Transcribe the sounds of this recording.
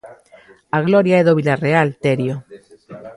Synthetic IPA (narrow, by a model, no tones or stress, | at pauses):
aɣloɾjaeðoβilarealt̪eɾjo